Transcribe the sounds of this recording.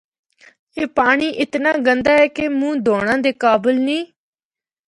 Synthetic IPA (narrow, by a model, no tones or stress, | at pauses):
eːpaːɳ̃iːʔɪt̪naːɡənd̪aːɛːkemũːd̪oːɽ̃ãːd̪eːkaːbəlnĩː